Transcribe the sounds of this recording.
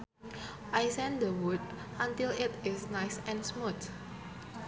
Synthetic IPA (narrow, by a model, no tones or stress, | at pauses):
ʔajsɛ̃ndəwud̚ãntɪlɪtɪsnajsɛ̃nsmut̪